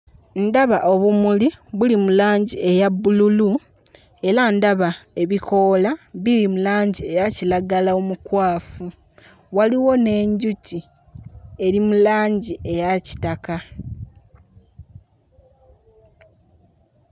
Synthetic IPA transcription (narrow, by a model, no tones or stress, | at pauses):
ndaβaʔo̞βumuliβulimulaːɲɟie̞jabːululu | e̞ɾandaβae̞βikʰo̞ːlaβiɾimulaːɲɟie̞jacilaɡalaomukwaːfu | waliwo̞ne̞ːɲɟuci | e̞ɾimulaːɲɟiʔe̞jaci̥taka